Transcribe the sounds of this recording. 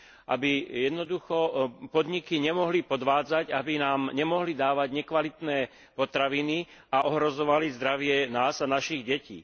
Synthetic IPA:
ʔa̰bijɛd̪nɔd̪uxɔpɔd̪ɲikiɲɛmɔɦlipɔd̪ʋaːd͡zaɟabinaːmɲɛmɔɦlid̪aːʋaɟɲɛkʋalit̪nɛː | pɔt̪ɾaʋini | aʔɔɦɾɔzɔʋalizd̪ɾaʋɪɛnaːzanaʃiɣɟɛcḭː

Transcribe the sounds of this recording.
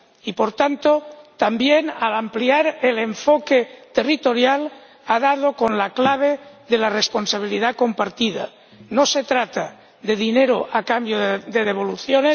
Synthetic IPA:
ipoɾt̪ant̪ot̪ambjenalampliaɾeleɱfoket̪erit̪oɾjal | aðað̞okonlaklaβ̞eðelaresponsaβ̞ilið̞ako̞mpaɾt̪iða̰ | noset̪ɾat̪a | ðeðineɾoʔakambjod̪eðeβ̞oluθjones

